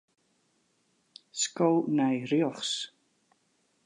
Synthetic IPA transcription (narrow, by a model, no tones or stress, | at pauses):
skɔwnajɾiɔχs